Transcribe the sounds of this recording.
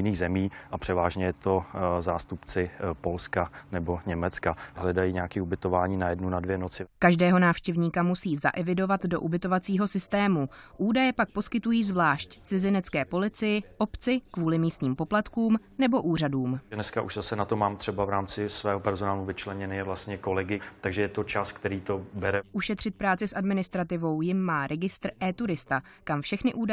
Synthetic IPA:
ɪniːɣzɛmiːʔapr̝̥ɛvaːʒɲɛjɛt̪o̞zaːst̪upt͡sɪpo̞lskanɛbo̞ɲɛmɛt͡skaɦlɛdajiːɲɛakiːubɪt̪ovaːɲiːnajɛdnunadvjɛnot͡sɪkaʒdɛːɦo̞naːfʃcɛvɲiːkamusiːza̰ʔɛvɪdo̞vat̪do̞̰ʔubɪt̪o̞vat͡siːɦo̞sɪst̪ɛːmuʔuːdajɛpak̚po̞skɪt̪ujiːzvlaːʃct͡sɪzɪnɛt͡skɛːpo̞lɪt͡sɪjɪʔo̞pt͡sɪkvuːlɪmiːst̪ɲiːmpo̞plat̪kuːm | nɛbo̞ʔuːraduːmɛnɛskaʔuʒzasɛnat̪omaːmt̪r̝̥ɛbavɾaːmt͡sɪsvɛːɦopɛɾzonaːluvɪt͡ʃlɛɲɛnɛɛvlast̪ɲɛko̞lɛɡɪt̪aɡʒɛjɛt̪o̞t͡ʃaːskt̪ɛɾiːt̪o̞bɛɾɛʔuʃɛt̪r̝̥ɪt̪̚pɾaːt͡sɪsʔadmɪnɪst̪ɾat̪ɪvo̞wjɪmːaːɾɛɡɪst̪ɾʔɛːt̪uɾɪst̪a | kamfʃɛxnɪʔuːda

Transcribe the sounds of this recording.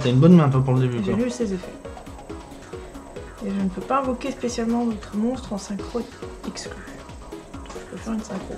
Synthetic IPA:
t̪aynbɔnmɛ̃t̪wapuʁləd̪ebyʒalysezefɛ | eʒənəpøpaevɔkʲespesjalmɑ̃vɔt̪χəmɔ̃st̪χɑ̃sɛ̃kχoɛksklỹ | d̪ɔ̃kʒəpøfɛʁynsɛ̃kχo̰

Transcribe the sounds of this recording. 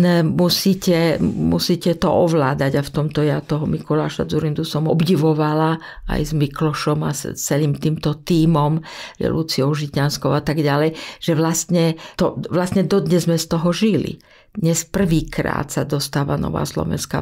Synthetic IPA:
musiːcɛmṵsiːcɛt̪ɔ̰ʔɔʋlaːd̪aɟaft̪ɔmt̪ɔjat̪ɔɦɔmikɔlaːʃa̰d͡zuɾind̪usɔmɔbɟiʋɔʋala | a̰jzmiklɔʃɔma̰t͡sɛliːmt̪iːmt̪ɔt̪iːmɔmjɛ̰lut͡siɔʊʒit̪anskɔʊat̪aɡɟalɛjʒ̥ɛʋlast̪ɲɛt̪ɔʋlast̪ɲɛd̪ɔd̪ɲɛzmɛst̪ɔɦɔʒilḭ | d̪ɲɛspr̩ʋiːkɾa̰ːt̪sad̪ɔst̪aːʋa̰nɔ̰ʋa̰ːslɔ̰ʋɛ̰nska

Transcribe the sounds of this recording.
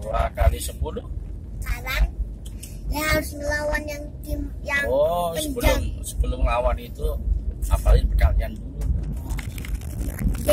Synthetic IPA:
uɾa̰kalisəpulʊh | kaɾan | jaaɾʊsməlawanjaŋdimjaɔsəbəlʊmsə̥bəlʊmlawanit̪uapalɪnpəd̥aliandulu

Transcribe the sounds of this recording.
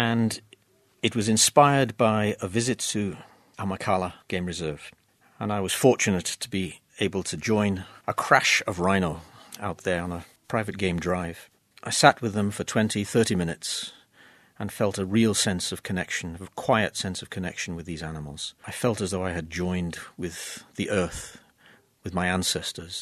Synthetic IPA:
ɨ̃n | ɨt̚wʌzɨ̃nspaɪə˞d̚baɪəvɪzɨtʰɨ | əməkʰɑlˠəɡ̥ẽɪ̃mɹɨzɜ˞v̥ | ə̃naɪwʌz̥fɔɹt͡ʃɨnɨtʰəbi | eɪbl̩ˠtʰɨd͡ʒɔ̃ɪ̃nəkʰɹ̥æʃʌvɹãɪ̃nl̩ˠaʊt̪̚ðə˞ə̃nəpʰɹ̥aɪvɨt̚ɡ̥ẽɪ̃mdɹaɪv̥ | ʔaɪsæt̚wɨðə̃ɱfə˞tʰw̥ɛ̃ntʰiθɜ˞ɾimɪ̃ñɨts | ə̃nfɛlˠtəɹilˠsɛ̃nsʌv̥kʰɨnɛkʃn̩vkʰw̥aɪɨtsɛ̃nsʌv̥kʰɨnɛ̰kʃn̩wɨðizænəml̩ˠz̥aɪfɛlˠtɨzðoʊaɪɨd̚d͡ʒɔ̃ɪ̃ndwɪð̥ðiʔɜ˞θ | wɨðmaɪæ̃nsɛstʰə˞z̥

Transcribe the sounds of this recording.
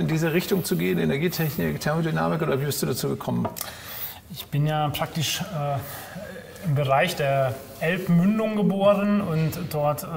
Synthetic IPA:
ɪndiːzəʁɪçtʊŋt͡suɡeːənenɛɐɡiːtʰɛçnɪktʰɛɐmodyna̰ːmɪkʔoːdɐviːbɪstd̥uːdat͡suːɡəkʰɔmən | ɪçb̥ɪnjaːpʁ̥ak̚tɪʃɛː | ɪmbəʁaɪçd̥eːɐ | ʔɛlpmʏndʊŋɡəboːʁənʊntd̥ɔɐt

